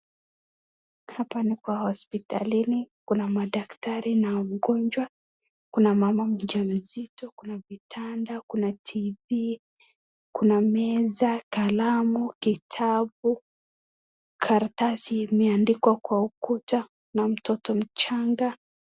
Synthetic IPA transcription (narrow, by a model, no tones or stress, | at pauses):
hapanikwahɔspita̰linikunamaɗaktaɾinauɡɔnd͡ʒwa | kunamamam̩d͡ʒam̩zitɔkunavitʰandakunatʰivi | kunamɛzakalamukitʰabu | kʰaɾtasiːmɛandikwakwaukuta | nam̩tɔtɔm̩t͡ʃaŋɡa